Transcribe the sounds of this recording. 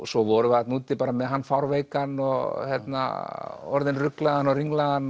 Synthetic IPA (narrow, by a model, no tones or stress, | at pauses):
sɔvɔɾʏat̪nuːt̪ɪpaːɾamɛðɦanːfawɾvejkanɔɣçjɛt̪na̰ɔɾðɪnrʏklaðanɔriŋlaðan